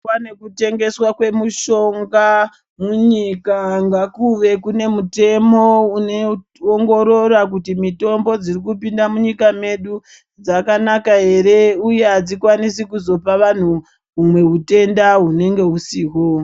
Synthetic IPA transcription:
anekute̞ŋɡe̞swakwe̞muʃo̞ŋɡa | muɲikaŋɡakuʋe̞kune̞mute̞mo̞une | oŋɡo̞ɾo̞ɾak̬utimito̞mbo̞d͡zirikupindamuɲikame̞ɗu | d͡zakanakaɦe̞ɾe̞ujeɦad͡zikwanisikuzo̞paʋan̤u | ɦːmwe̞ɦute̞ndaɦune̞ŋɡe̞ɦusiːɦo

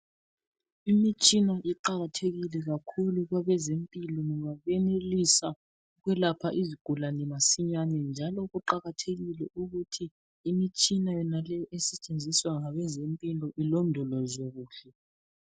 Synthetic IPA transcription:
imit͡ʃʼinaʔiǃaɣatʰeɣilɛɣakʰuluɣwaβɛzempʼilɔŋɔŋaβɛnelisa | ɣwɛlapʰaʔiziɡ̥ʱulanɛmasiɲanɛnd͡ʒʱalɔɣuǃaɣatʰeɣilɛʔuɣutʰi | imit͡ʃʼinajɔnalɛjɔʔɛsɛt͡ʃʼend͡zʱiswaŋaβɛzempʼilɔʔilɔndʱɔlɔzoɣuːɬɛ

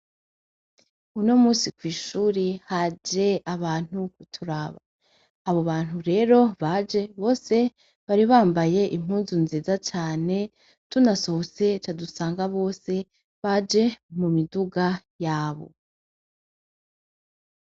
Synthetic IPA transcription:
uno̞muːsikwiːʃuːɾihad͡ʒe̞aβaːn̥ukutʰuɾaβa̰ː | βo̞βaːn̥huɾe̞ːɾo̞βad͡ʒeβo̞ːse̞ | βaɾiβaːmbaje̞ʔim̥huːnzunziːzat͡ʃaːne̞ | tunaso̞hose̞t͡ʃadusaːŋɡaβo̞ːse̞ | βad͡ʒe̞mumiduɡa | jaːβo̞̰

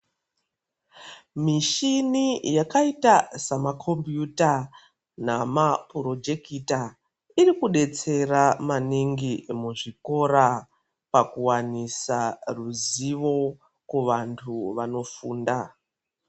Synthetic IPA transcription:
miʃinijakaitasamakʰo̞mbjuta | namapuro̞d͡ʒe̞kita | irikuɗe̞t͡se̞ramaniŋɡimuʐiko̞ɾa | pakuwanisaruziʋo̞ | kuʋantʰuʋano̞fuːnda

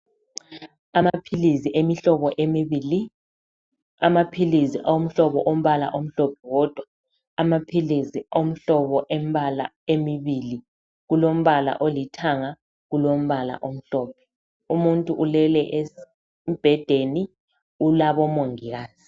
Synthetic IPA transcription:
amapʰiliziʔemiɬɔβɔʔemiβili | amapʰiliziʔawom̩ɬɔβɔʔom̩βala̰ʔom̩ɬɔpʰɛɣɔd̥ʱwaː | mapʰiliziom̩ɬɔβɔʔembala̰ | emiβili | ɣulom̩βala̰ʔolitʰaŋa | ɣulom̩βala̰ʔom̩ɬɔːp̚ʰɛ̥ | umuntʼuʔulɛlɛʔe | b̥ʱɛd̥ʱeni | ulaβɔmoŋiɣaːz̥i

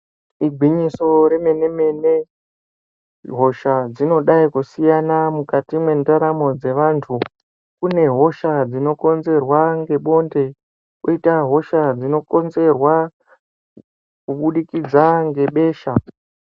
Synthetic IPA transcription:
iɡʱwiɲiso̞ɾe̞me̞ne̞me̞ne | ɦo̞ʃad͡zino̞ɗaikusijanamukatimwe̞ndaɾamo̞d͡ze̞ʋantʰu | kune̞ɦo̞ʃad͡zino̞ko̞nze̞rwaŋɡe̞ɓo̞nde̞ | koitaɦo̞ʃad͡zino̞ko̞nze̞rwa | kuɓuɗikid͡zaŋɡe̞ɓe̞ːʃa

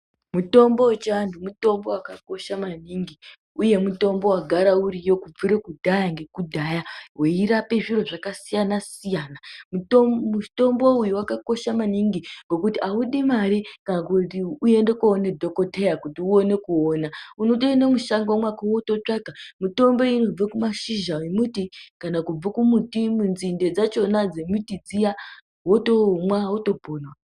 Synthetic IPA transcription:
muto̞mboet͡ʃeantʰumuto̞mbo̞wakako̞ʃamaniŋɡi | uje̞muto̞mbo̞waɡʱaɾauɾijo̞kub͡vuɾekudʱajaŋɡe̞kudʱajaweiɾape̞ʐiro̞ʐakasijanasijaːnamumuto̞mbo̞ujuwakako̞ʃamaniŋɡiŋɡo̞kutiauɗimaɾikanakuiuje̞ndekoːnedʱo̞ko̞tejakutiuone̞kuonaunoɗene̞muʃaŋɡwomwakawoto̞t͡ʂakamuto̞mbo̞ino̞b͡vakumaʃiʒawemutikanakub͡vakumutimunzinde̞d͡zat͡ʃo̞nad͡zemutid͡zija | ɦotomwawoto̞bʱoːnwa

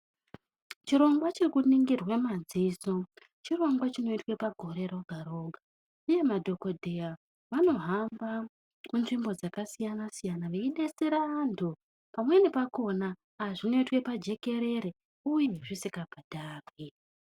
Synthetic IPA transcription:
t͡ʃiɾo̞ŋɡwat͡ʃirikuniŋɡirwemad͡ziːso̞ | t͡ʃiro̞ŋɡwat͡ʃino̞itwe̞paɡʱo̞ɾe̞ɾoɡʱaɾo̞ːɡʱa | uje̞madʱo̞ko̞dʱea | ʋano̞ɦamba | munʐimbo̞d͡zakasijanasijanaʋe̞iɗe̞seɾaːntʰu | pamwene̞pako̞naː | ʐino̞itwe̞pad͡ʒe̞ke̞ɾe̞ɾe | uje̞ʐisikabʱad̥ʱaːrwi

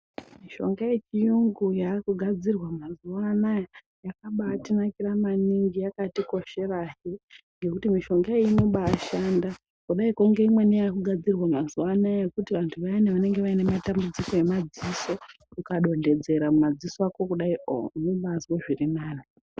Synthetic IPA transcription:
miʃo̞̰ŋɡaje̞t͡ʃijuŋɡujakuɡʱad͡zirwamazuwanaj | jakaɓaːtinakiramaniŋɡijakatiko̞ʃe̞raɦi | ŋɡe̞kutimiʃo̞ŋɡaeinoɓaːʃaːnda | kuɗaikuŋɡe̞imwe̞nijakuɡʱad͡zirwamazuwanajekutiʋantʰuʋaineʋane̞ŋɡe̞ʋaine̞matambud͡ziko̞e̞mad͡ziso̞ | kukaɗo̞nde̞d͡ze̞ɾamumad͡zisakokuɗaionoɓazwoʐirinaːni

